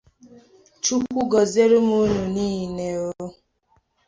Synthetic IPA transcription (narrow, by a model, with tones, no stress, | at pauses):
t͡ʃu˦kʷu˦ɡɔ˨ze˦ɾu˦mu˦nu˨ni˦˨ne˨o˦